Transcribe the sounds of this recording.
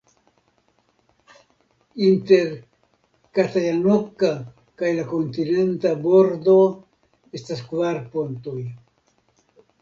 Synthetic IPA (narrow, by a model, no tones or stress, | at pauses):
int̪e̞ɾ | kat̪ajanoka | kajlakont̪ine̞ntaboɾd̪o̞ | estaskvaɾpont̪oj